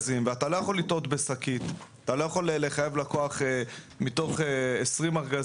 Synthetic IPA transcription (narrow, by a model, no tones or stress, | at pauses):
zimveatalo̞jaχo̞lito̞tbesakitatalo̞jaχo̞leleχaje̞vlako̞aχe | mito̞χeesʁimaʁɡa